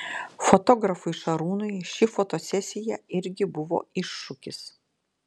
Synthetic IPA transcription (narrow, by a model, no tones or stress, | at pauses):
fot̪ɔːɡɾɐfʊɪʃɐɾuːnʊjʃʲɪfoːt̪oːsʲɛsʲɪjɛɪɾʲɡʲɪbʊʋo̰ːɪʃːʊkʲɪs